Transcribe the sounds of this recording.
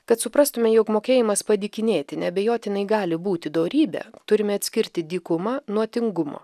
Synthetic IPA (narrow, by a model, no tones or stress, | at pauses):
kɐt̪sʊpɾɑːst̪ʊmʲɛjoːkmoːkʲeːjɪmɐspɐd̪ʲɪkʲɪnʲeːt̪ʲɪnʲɛɐbʲejoːt̪ʲɪnɐɪɡɑːlʲɪbuːt̪ʲɪd̪oːɾʲiːbʲɛ̰t̪ʊɾʲɪmʲɛɐt̪ʲsʲkʲɪɾʲt̪ʲɪd̪ʲiːkʊmɑnuɔt̪ʲɪŋɡʊmo̰ː